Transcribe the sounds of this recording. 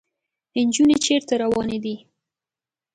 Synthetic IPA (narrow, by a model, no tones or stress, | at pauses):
ɪnd͡ʒunet͡ʃeɾt̪aɾawɑned̪i